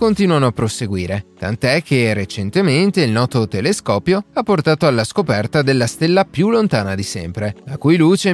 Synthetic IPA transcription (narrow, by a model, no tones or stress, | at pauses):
kont̪iːnwanoapːɾoseɡwiːɾet̪a̰nt̪oɛk̟ːeret͡ʃent̪ement̪eilnɔːt̪ot̪eleskɔːpjoapːort̪aːt̪oalːaskopɛrt̪ad̪elːast̪elːapjulːont̪aːnad̪isɛ̰mpɾelakujluːt͡ʃe